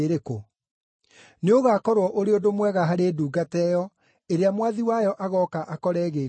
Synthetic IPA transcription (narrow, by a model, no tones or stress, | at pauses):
eɾeko | neoɣaːkɔɾwɔʔoɾeodomwɛɣaɦaɾeːduːɡatɛːjɔ | eɾeamwaðiwajɔʔaɣɔkaʔakɔɾɛːɣeː